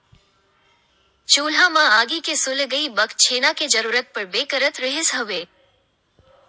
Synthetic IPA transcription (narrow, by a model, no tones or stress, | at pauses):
t͡ʃoːlamãaːɡikesʊlɡəibəkt͡ʃʰenaked͡ʒəɾuɾət̪̚pəɾbekəɾət̪ɾəɦɪsɦəʋe